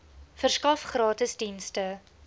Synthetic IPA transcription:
fərskɐfχrɑːtəsdinstə

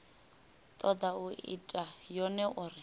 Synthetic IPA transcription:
t̪ʼɔd̪auʔḭtʼajɔnɛʔurɪ

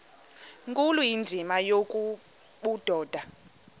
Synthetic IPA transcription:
ŋkʼulujind͡zʱimajokʼu | ɓud̥ʱɔːd̥ʱa

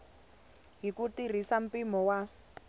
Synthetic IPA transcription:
ɦikutir̤isam̩pimɔwa

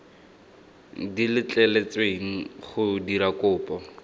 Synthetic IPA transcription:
dilɪt͡ɬʼɛlet͡sweŋ̩χʊdiɾakʊːpɔ

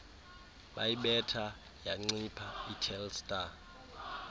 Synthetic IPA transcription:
ɓajiɓɛtʰa | jaŋ͡ǀipʰaitʰɛlstʼa

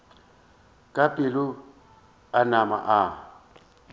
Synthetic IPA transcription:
kʼapʼɪlʊ | anama̰ʔa

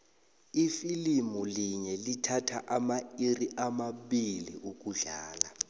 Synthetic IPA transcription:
ifilimuliɲɛlitʰatʰaʔamairiʔamaɓiliʔuk̬ʼuɮaːla

